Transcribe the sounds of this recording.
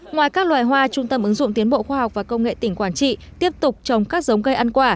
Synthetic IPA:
ŋwaː˨˩jkaː˦˥k̚lwa̰ː˨˩jɦwaː˧t͡ɕʊ˧ŋ͡mt̪ə˧mʔɨ˨˦ŋzʊ̰˧˨ŋ͡mt̪i˨˦ənɓo̰˧˨xwaː˧ɦa˨˩wk͡p̚vaː˨˩kə˧wŋ͡mŋḛ˧˨t̪ï˧˩ŋ̟kwaː˧˩nt͡ɕḭ˧˨t̪i˦˥əp̚t̪ʊ˨˩k͡p̚t͡ɕə˨˩wŋ͡mkaː˦˥k̚zə˨˦wŋ͡mɣə˧jʔa˧nkwaː˧˩

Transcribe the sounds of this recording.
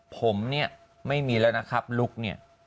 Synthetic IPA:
pʰo˩˦mni˥˩ɐ | ma˥˩jmiː˧lɛː˦˥wna˦˥kʰa˦˥p̚lu˦˥k̚ni˥˩ɐ

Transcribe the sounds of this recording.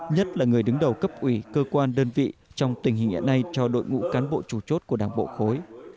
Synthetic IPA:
ɲə˦˥t̚laː˨˩ŋɨ˨˩əjɗɨ˨˦ŋɗə˨˩wkə˦˥p̚ʔwi˧˩kəː˧kwaː˧nɗəː˧nvḭ˧˨t͡ɕɔ˧wŋ͡mt̪ï˨˩ŋ̟hï˨˩ŋ̟ʔḭ˧˥na˧jt͡ɕɔ˧ɗo̰˧˨jŋṵ˧˥kaː˨˦nɓo̰˧˨t͡ɕu˧˩t͡ɕo˦˥t̚ku˧˩əɗaː˧˩ŋɓo̰˧˨xo˨˦j

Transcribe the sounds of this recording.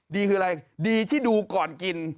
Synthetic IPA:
diː˧kʰɯː˧a˧ɾa˧jdiː˧t̪ʰiː˥˩duː˧kɔː˨˩nki˧n

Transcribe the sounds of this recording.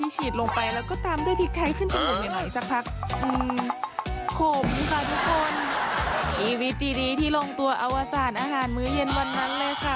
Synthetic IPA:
iː˧˩t͡ɕʰiː˨˩t̪̚lo˧ŋpa˧jlɛː˦˥wkɔː˧˩t̪aː˧mdu˥˩˨jpʰi˧˦˥k̚t̪ʰa˧˥jkʰɯ˥˨nt͡ɕa˧˩bɯː˨˩t̪̚ja˨˩nɔ˨˩˦jsa˧˦˥k̚pʰa˦˧˥k̚ʔɯː˧m | kʰo˧˩m˧kʰa˧˩t̪ʰu˦˥k̚ʰːo˧n | st͡ɕʰiː˧˩wi˦˥t̪̚ːiː˧diː˧t̪ʰiː˧˥˩lo˧ŋt̪u˧ɐʔa˧wʔaː˧saː˨˩n̚ʔaː˧ɦaː˨˩˦nmɯː˧˥je˧nwa˧nːa˧˥ŋlɛː˧˩wkʰa˧˩

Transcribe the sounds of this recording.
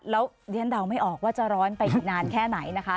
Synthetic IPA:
lɛː˦˥w | li˦˥ənda˧˩wma˥˩jʔɔː˨˩k̚waː˥˩t͡ɕa˨˩ɾɔː˦˥npa˧jʔi˨˩ŋaː˧nkʰɛː˥˩na˩˦jna˦˥kʰa˦˥

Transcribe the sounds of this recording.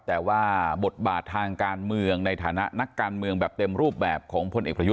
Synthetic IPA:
t̪ɛː˨˩waː˥˩bo˨˩t̪̚baː˨˩t̪ʰːaː˧ŋkaː˧nmɯ˧əŋna˧jt̪ʰaː˩˦na˦˥ʔna˦˥kːaː˧nmɯ˧əŋbɛː˨˩p̚t̪e˧mɾuː˥˩p̚bɛː˨˩p̚kʰɔː˩˦ŋpʰo˧nʔeː˨˩k̚pɾa˧ju˦˥

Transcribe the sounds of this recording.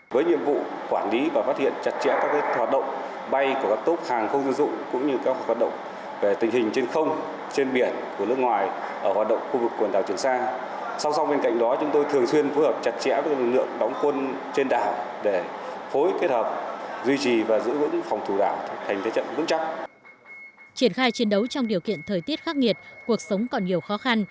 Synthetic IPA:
vəː˨˦jɲḭ˧˨əmvṵ˧˨ | kwaː˧˩nli˨˦vaː˨˩faː˦˥t̚hḭ˧˨ənt͡ɕa˨˩t̚t͡ɕɛ̰˧˥kaː˦˥kːaː˨˦ɦwaː˨˩t̚ɗə̰˧˨wŋ͡m | ɓa˧jku˧˩kaː˦˥kt̪o˦˥t̚haː˨˩ŋxə˧wŋ͡mzə̰˧nzʊ̰˧˨ŋ͡mkʊ̰˧˥ŋ͡mɲɨ˧kaː˦˥k̚hhwaː˨˩t̚ɗə̰˧˨wŋ͡m | ve˨˩t̪ï˨˩ŋ̟hï˨˩ŋ̟t͡ɕe˧nxə˧wŋ͡m | t͡ɕe˧nɓi˧˩ənku˧˩ənɨ˦˥əkŋwaː˨˩j | ʔəː˧˩haː˨˩t̚ɗə̰˧˨wŋ͡mxu˧vɨ˨˩kːwə˨˩nɗaː˨˩t͡ɕi˧˩ənsaː˧ | sa˧wŋ͡msa˧wŋ͡mɓe˧nka̰˧jŋ̟ɗɔ˨˦t͡ɕʊ˨˦ŋ͡mt̪o˧jt̪ʰɨ˨˩əŋswi˧ənfo˨˦jhəː˨˩p̚t͡ɕa˨˦˩t̚t͡ɕɛ̰˧˥vːlɨ̰˨˩lɨ̰˧˨əŋɗɔ˨˦wŋ͡mkwə˧n | t͡ɕe˧nɗaː˧˩w | ɗe˧˩fo˨˦jt̪i˦˥t̚həː˨˩p̚zwi˧t͡ɕi˨˩vaː˨˩zɨ̰˧˥vɨ̰˧˥ŋfɔ˨˩wŋ͡mt̪ʰu˧˨˩ɗa̰ː˧˩wt̪ʰjt̪ʰe˨˦t͡ɕə̰˧˨nvɨ̰˧˥ŋt͡ɕa˦˥p̚ | t͡ɕi˧˩ənxaː˧jt͡ɕi˨˦ənɗə˨˦wt͡ɕɔ˧wŋ͡mɗi˨˩əwkḭ˧˨ənt̪ʰəː˨˩jt̪i˦˥t̚xaː˦˥k̚ŋi˨˩ət̚ku˨˩ək̚sə˨˦wŋ͡mkɔ˨˩nɲi˨˩əwxɔ˨˦xa˧n

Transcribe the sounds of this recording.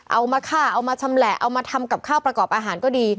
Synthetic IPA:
ʔa˧wmaː˧kʰaː˥˩ʔa˧wmaː˧t͡ɕʰa˧mlɛː˨˩ʔa˧wmaː˧t̪ʰa˧mka˨˩p̚kʰaː˥˩wpɾa˧kɔː˨˩p̚ʔaː˧ɦaː˩˦nkɔː˥˩diː˧

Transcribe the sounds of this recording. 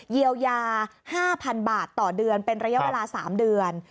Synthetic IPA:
ji˧əwjaː˧haː˥˩pʰa˧nbaː˨˩t̪ːɔː˨˩dɯ˧ənpe˧nɾa˧ja˦˥ʔweː˧laː˧saː˩˦mdɯ˧ən

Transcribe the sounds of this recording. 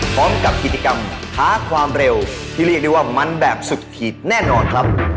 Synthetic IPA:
pʰɾɔː˦˥mka˨˩p̚kʰi˨˩t̪̚t͡ɕa˧ka˧mhʰaː˨˦˥kʰwaː˧mɾe˧wt̪ʰiː˥˩ɾi˥˩k̚de˥˩waː˥˩ma˧nbɛː˨˩p̚su˨˩t̪̚kʰiː˨˩t̪̚nɛː˥˩nɔː˧nkʰɾa˦˥p̚

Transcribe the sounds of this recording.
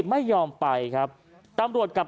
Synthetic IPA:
ma˥˩jːɔː˧mpa˧jkʰa˦˥p̚ | t̪a˧mɾu˨˩ət̪̚ka˨˩p̚

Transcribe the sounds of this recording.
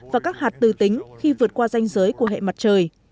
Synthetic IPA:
vaː˨˩kaː˦˥k̚haː˨˩t̚t̪ɨ˨˩t̪ï˨˦ŋ̟xi˧vɨ˨˩ət̚kwaː˧za˧jŋ̟zəː˨˦jku˧˩əɦḛ˧˨ma˨˩t̚t͡ɕəː˨˩j

